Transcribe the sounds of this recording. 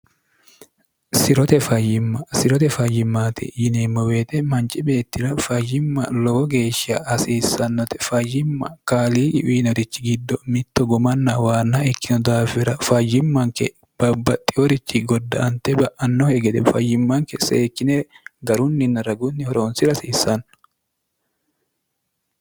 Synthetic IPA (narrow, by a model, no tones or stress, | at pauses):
sɪɾɔt̪ɛfɐjːɪmːɐsɪɾɔt̪ɛfɐjɪmːaːt̪ʰɛ̰jɪnemːɐweːt̪ʼɛmɐnt͡ʃʼɪbe̞ːt̪ːɪɾɐfɐjːɪmːɐ̰lɔwɔɡe̞ːʃːɐːsiːsɐnːɔt̪ɛ̥fɐjːɪmːɐ̰kaːliːʔɪ̰ʔiːnɔɾɪt͡ʃːɪɡɪd̪ːɔmɪt̪ːɔɡɔmɐnːɐwaːnːaɛkːɪnɔd̪aːfɪɾɐfajɪmːɐŋkɛ | b̥ɐbːɐt̪ʼːɪɔɾɪt͡ʃːɪɡɔd̪ːɐʔɐnt̪ɛbɐʔɐnːɔhɛɡɛd̪ɛfɐjɪmːɐŋkɛsɛ̰ɛkːɪneɡɐɾʊnːɪnːɐɾɐɡʊnːɪhɔɾoːnsɪɾɐsiːsɐnː